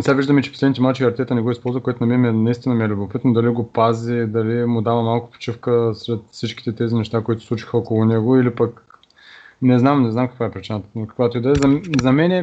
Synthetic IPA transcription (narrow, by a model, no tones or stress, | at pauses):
nɛsʲaviʒd̪əmit͡ʃɛ̥po̥slɛd̪nit̪ʲmalˠt͡ʃivʲɐɾt̪ʲɛt̪ənɛɡɔispɔlˠzvəkoɛt̪ʊnɐmiɛmiɛnɐist̪inɐmiɛlʲubopit̪nod̪ɐliɡopazid̪ɐlimʊd̪avəmalˠkʊ̥po̥t͡ʃifkəsɾɛt̪fsit͡ʃkʲi̥t̪ɛt̪ɛzinɛʃt̪akoit̪ʊ̥slˠut͡ʃi̥xəɔkolˠʊnɛɡoilipək | nɛznamnɛznamkɐ̥kvaɛpɾit͡ʃinət̪kɐ̥kvat̪id̪ɛzɐzɐmɛnɛ